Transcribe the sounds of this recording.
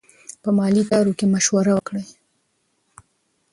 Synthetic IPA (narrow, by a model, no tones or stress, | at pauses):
pəmɑlit̪ɑɾokemaʃwaɾawəkɽəj